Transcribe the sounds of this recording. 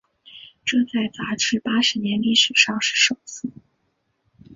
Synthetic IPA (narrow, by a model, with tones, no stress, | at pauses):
ʈ͡ʂɤ˥˧ŋt͡sa˥˩ɪt͡sa˧˥ʈ͡ʂʰɻ̩˥˩pa˥ʂɻ̩˧˥njɛ˧˥nli˥˩ʂɻ̩˨˩ʂɑ˥˧ŋʂɻ̩˥˩ʂo˨˩ʊsɹ̩˥˩